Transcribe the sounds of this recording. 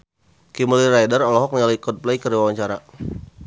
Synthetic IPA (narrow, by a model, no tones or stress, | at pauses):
kiməlirajdərɔlɔɦɔk̚nalaikɔd̚plɛikəriwawaɲt͡ʃaɾa